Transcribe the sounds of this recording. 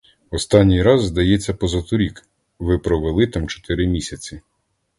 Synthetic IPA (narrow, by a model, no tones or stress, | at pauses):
ɔst̪ɑnʲːijɾɑzːd̪ɐjɛt͡sʲːɐpɔzɐt̪ʊɾʲik | ʋɪpɾɔʋelˠɪt̪ɑmt͡ʃɔ̥t̪ɪɾɪmʲisʲɐt͡sʲi